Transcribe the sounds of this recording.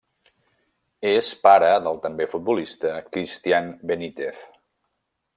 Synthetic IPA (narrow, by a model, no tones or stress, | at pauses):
espaɾəðəlˠt̪əmbefut̪̚bulist̪əkɾist̪ianbənit̪eθ